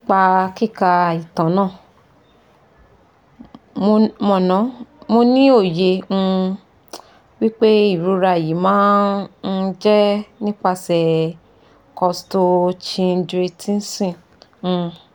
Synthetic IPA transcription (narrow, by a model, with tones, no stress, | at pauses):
k͡pa˧ki˦˨ka˧i˨tã˨˦nãː˦˨˧ | mɔ̃˨˧˨nã˨˦mo˧nĩ˦o˦˨jẽ˧ | wi˦k͡pe˦i˦˨ɾu˧ɾa˧˨ji˨˦mãː˨˦n̩˦d͡ʒɛ˦nĩ˦k͡pa˧sɛ˨ | kɔ˧sto˧t͡ʃĩ˧n̩˧dɾe˧tʰi˦n̩˦sĩ˦˨˧